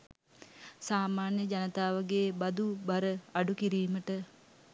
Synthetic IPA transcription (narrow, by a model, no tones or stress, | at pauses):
saːmaːnjəd͡ʒanət̪aːʋəɡeːbad̪ubaɾəaɖukiɾiːməʈə